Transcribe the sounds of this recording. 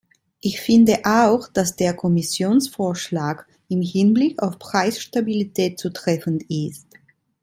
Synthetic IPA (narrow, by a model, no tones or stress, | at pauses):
ʔɪçfɪndəʔaʊxd̥asd̥eːɐkʰɔmɪsjoːnsfoːɐʃlaːk | ɪmhɪnblɪkʰa̰ʊfpʁ̥aɪsʃtabilitʰɛːt̚t͡sutʁ̥ɛfn̩tɪst